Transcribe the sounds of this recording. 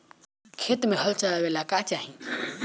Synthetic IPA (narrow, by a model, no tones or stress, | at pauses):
kʰet̪meɦəlt͡ʃalabelakat͡ʃaɦi